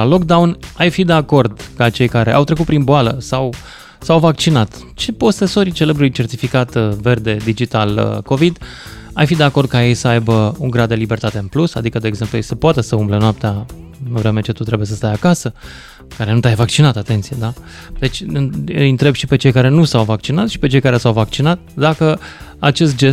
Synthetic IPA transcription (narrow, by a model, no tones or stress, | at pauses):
alo̞k̚d̪awnajfid̪e̞ako̞rd̪kat͡ʃe̞jkaɾe̞̰ʔa̰wt̪ɾe̞kut̪pɾinboaləsaw | sawvakt͡ʃinat̪ | t͡ʃe̞po̞se̞so̞ɾit͡ʃe̞lebɾuluijt͡ʃe̞rt̪ifikat̪ve̞rd̪e̞d̪id͡ʒit̪alko̞vid̪ | ajfid̪e̞ako̞rd̪̚kaje̞jsəajbəuŋɡɾad̪ːe̞libe̞rt̪at̪e̞ɨnplusa̰d̪ikəd̪eːɡze̞mplujejsəpoat̪e̞səumblenoap̚t̪eaɨnvɾeme̞t͡ʃe̞t̪ut̪ɾe̞bujesəst̪ajakasə | kaɾe̞nut̪ʲajvak̚t͡ʃinat̪at̪e̞nt̪sije̞d̪a | d̪e̞t͡ʃʲɨjɨnt̪ɾe̞bʃipe̞t͡ʃe̞jkaɾe̞nusawvak̚t͡ʃinat̪sʃi̥pe̞t͡ʃe̞jkaɾesawvak̚t͡ʃinat̪̚d̪akəat͡ʃe̞s̬t̪̚d͡ʒe̞s